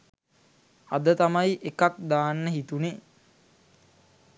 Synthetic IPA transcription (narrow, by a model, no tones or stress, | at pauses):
ad̪ət̪amajiʔekak̚d̪aːnːəɦit̪une